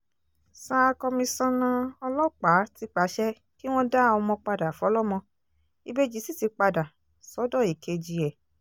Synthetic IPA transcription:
sa˧˦˧kɔ˧mĩ˧sã˦nã˧ɔ˧lɔ˦k͡pa˨˦ti˧˦k͡pa˨˦ʃɛ˦ | ki˦w̃ɔ̃˦da˦˨ɔ˧mɔ̃˧k͡pa˧da˨fu˨˦ɔ˨˦lɔ˦mɔ̃˧ | i˧be˦d͡ʒi˨˦si˦ti˧k͡pa˧da˨ | sɔ˨˦dɔ˦˨i˨kʰe˨˧d͡ʒi˧ɛ˨

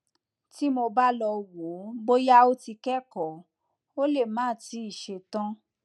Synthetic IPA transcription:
ti˦mo˧ba˦lɔ˧wo˨˦bo˦ja˦o˦ti˧kɛ˦kɔ˨ | o˦le˦˨mãː˨˦˨ti˨˦i˦˨ʃe˧tã˦

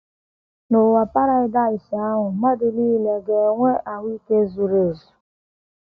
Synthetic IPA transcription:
no˨wa˨pa˦ɾa˦ɪ˦da˦ɪ˨si˨a˦ŋʊ˨ma˦dɪ˨liː˦le˨ɡe˨˦ŋʷe˦ʔa˨wi˦ke˦zu˨ɾe˨zu˨

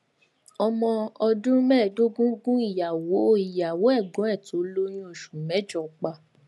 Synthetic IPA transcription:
ɔ˧mɔ̃˧ɔ˧dũ˦mɛ̃˦˨do˦ɡũ˦ɡũ˦i˦˨ja˨wo˨˦i˦˨ja˨wo˨˦ɛ˦˨ɡɔ̃˨˦ɛ˦˨to˨˦lo˦j̃ĩ˦o˦˨ʃũ˨mɛ̃˨˦d͡ʒɔ˨k͡pa˧˨

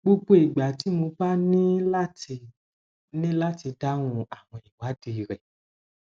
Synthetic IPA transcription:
ɡ͡bo˧ɡ͡bo˧˦i˨ɡ͡ba˨ti˨˦mo˧ba˦nĩ˦la˦ti˧ | nĩ˦la˦ti˧da˦nũ˧a˨w̃ɔ̃˧i˨wa˨˦di˧˨ɾɛ˨

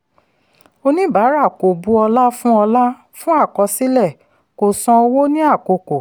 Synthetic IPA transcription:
o˧nĩ˦ba˨˦ɾa˦˨ko˨bu˦ɔ˧la˦fũ˦ɔ˧la˦ | fũ˦a˦˨kɔ˧si˦lɛ˦˨ | ko˨sɔ̃˧o˧wo˦nĩ˦a˦˨ko˧˨ko˨

